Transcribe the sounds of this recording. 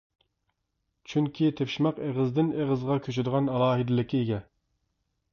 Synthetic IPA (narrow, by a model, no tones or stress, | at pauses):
t͡ʃʰyŋkʲʰit̪ʰepʃimɑqeʁɪzd̪ɪneʁəzʁɑkʲʰøt͡ʃyd̪əʁɑnɑlˠɑːɦɨd̪ɪlɪkʲʰːieɡʲɛ